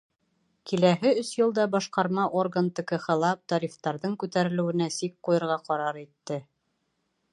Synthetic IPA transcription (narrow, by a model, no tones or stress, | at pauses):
kʰilæɦɘɵsjɤ̆lˠd̪ɑbɑʃqɑɾmɑʔorɡənt̪ɘ̆kɤχɤ̆lˠɑp̚t̪ɑɾʲift̪ɑɾðɤɴkʉt̪æɾɘ̆lɘ̆wɘ̆næsik̚qujɤ̆ɾʁɑqɑɾɑɾit̪ːɘ